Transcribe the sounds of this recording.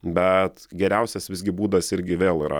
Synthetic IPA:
bʲɛt̪ɡʲɛɾʲɛʊsʲɛsʋʲɪzɡʲɪbuːd̪ɐsɪɾʲɡʲɪʋʲeːlˠiːɾɐ̰

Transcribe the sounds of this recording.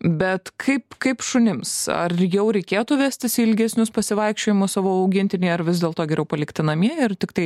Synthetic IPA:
bʲɛt̪kʰɐɪpkɐɪpʃʊnʲɪmsɐ̰rjɛʊɾʲɛɪkʲeːt̪ʊʋʲæːsʲt̪ʲɪsʲɪlʲɡʲɛsʲnʲʊspɐsʲɪʋɐɪkʃʲt͡ʃʲoːjɪmʊssɑːʋoːɐʊɡʲɪnʲt̪ʲɪnʲɛɪɐɾʋʲɪzd̪ʲeːlˠt̪oːɡʲɛɾʲɛʊpɐlʲɪkʲt̪ʲɪnɐmʲiɛɪrt̪ʲɪkt̪ɐɪ

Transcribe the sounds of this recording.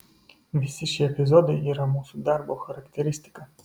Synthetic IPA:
visiʃiɛpizɔd̪iiɾamusud̪aɾbəlˠxəɾɐkt̪ɛɾist̪i̥kə

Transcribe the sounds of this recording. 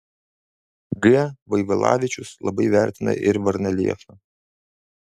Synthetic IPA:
ɡɨʋɐɪʋɐlˠɑ̰ːʋʲɪt͡ʃʲʊslˠɐbɐɪʋʲæˑɾʲt̪ʲɪnɐ̰ʔɪɾʋɐɾʲnʲɛlʲḭɛfɐ

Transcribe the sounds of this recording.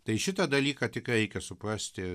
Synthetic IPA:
t̪ɐɪʃʲɪt̪ɐd̪ɐlʲiːkɑt̪ʲɪkɾʲɛɪkʲɛsʊprɑsʲt̪ʲɪ

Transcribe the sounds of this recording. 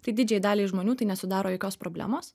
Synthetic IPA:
t̪ɐɪd̪ʲɪd͡ʒʲɛɪd̪ɑːlʲiːɪʒmoːnʲuːt̪ɐɪnʲɛsʊd̪ɑːɾoːjɛkʲoːspɾoːbʲlʲæ̰ːmoːs

